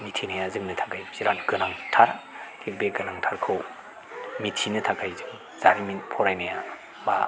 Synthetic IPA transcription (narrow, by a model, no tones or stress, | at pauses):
mitʰinajazɯŋnɯtʰakajziɾanɡɯnaŋtʰaɾ | kʰibeɡɯnaŋtʰaɾkʰɯw | mitʰinɯtʰaɡajzɯŋ | z̥aɾiminpʰɔɾajnaja | ba̰